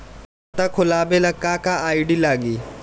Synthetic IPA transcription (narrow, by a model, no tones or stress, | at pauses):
t̪aːkʰʊlaːbelɐkːaːkaaːiɖiːlaːɡiː